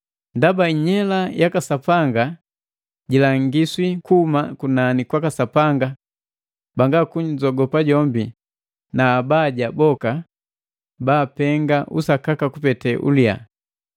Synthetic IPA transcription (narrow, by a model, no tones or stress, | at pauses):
ndabaiɲɛlajakasapaŋɡa | ɟilaŋɡiswikuumakunanikwakasapaŋɡa | baŋɡakuɲd͡ʒɔɡɔpaɟɔmbi | naːbaːɟabɔka | baːpɛŋɡaʔusakakakupɛtɛʔṵlia̰